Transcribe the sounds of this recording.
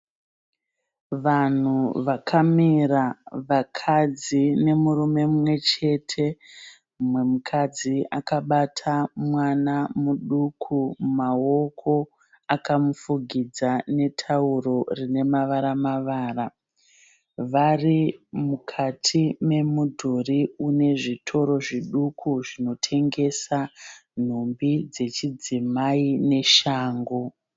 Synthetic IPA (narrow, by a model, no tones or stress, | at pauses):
ʋan̤uʋakʰamiraʋakʰad͡zine̞muɾume̞mumwe̞t͡ʃe̞tʰe̞ | mwe̞mukʰad͡ziakaɓatʰamwanamuɗukʰumao̞kʰo̞ | akamufuɡʱid͡zane̞tʰauro̞rine̞maʋaɾamaʋaːra | ʋarimukʰatʰime̞mudʱoriune̞ʐitʰo̞ɾo̞ʐiɗukʰuʐino̞tʰe̞ŋɡe̞san̤ombid͡ze̞t͡ʃid͡zimaine̞ʃaːŋɡo̞